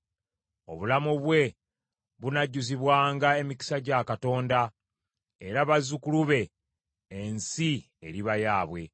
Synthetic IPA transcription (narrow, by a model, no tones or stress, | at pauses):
o̞̰βulamuβwe̞ | βunaɟːuziβwaːŋɡae̞miki̥saɟakato̞ːnda | eɾaβazukuluβe̞ː | nsi | e̞ɾiβajaːβwe̞